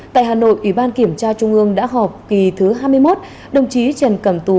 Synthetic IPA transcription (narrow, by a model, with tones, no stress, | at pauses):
t̪a̰ː˧˨jɦaː˨˩no̰˧˨jʔwi˧˩ɓaː˧nki˧˩əmt͡ɕaː˧t͡ɕʊ˧ŋ͡mʔɨ˧əŋɗa̰ː˧˥ɦɔ˨˩p̚ki˨˩t̪ʰɨ˨˦ɦaː˧jmɨ˧jmo˦˥t̚ | ɗə˨˩wŋ͡mt͡ɕi˨˦t͡ɕə˨˩nkə˧˩mt̪u˧˩